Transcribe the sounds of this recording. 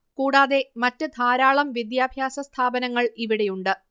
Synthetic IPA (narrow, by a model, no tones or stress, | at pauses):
kuːɽaːðe̞mɐtːɨd̪ʱaːɾaːɭɐmʋid̪jaːbʱjaːsɐst̪ʰaːbɐnɐŋːɐɭiʋiɽe̞juɳɖɨ